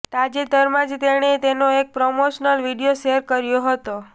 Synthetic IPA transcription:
t̪ad͡ʒed̪əɾmãd͡ʒt̪eɽ̃et̪enoek̚pɾomoʃnəlʋiɖijoʃeəɾkəɾjoɦət̪o

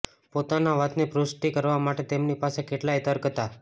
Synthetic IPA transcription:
pot̪anaʋat̪nipɾusʈikəɾʋamaʈet̪emnipasekeʈlajt̪əɾkət̪a

